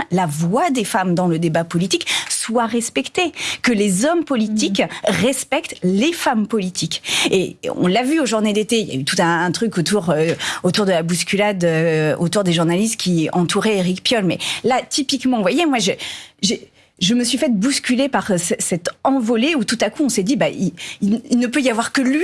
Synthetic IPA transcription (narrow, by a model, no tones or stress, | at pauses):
lavwad̪efamd̪ɑ̃ləd̪ebapɔlit̪ikswaʁɛspɛkt̪ekəlezɔmpɔlit̪ikʁɛspɛk̚t̪lefampɔlit̪ʰikeɔ̰̃lavyoʒuʁned̪et̪eilja̰yt̪u̥t̪ɛ̃ːt̪χykot̪uʁøot̪uʁd̪əlabuskʲylad̪øo̰t̪uʁd̪eʒuʁnalist̪̚kʲiɑ̃t̪uʁɛeʁikpjɔlmɛlat̪ipikmɑ̃vwajemwaʒəʒe | ʒəməsɥifɛt̪̚buskʲylepaʁsɛsɛt̪ɑ̃vɔleut̪ut̪akuɔ̃sɛd̪ibaʔiililnəpøijavwaʁkəlɥi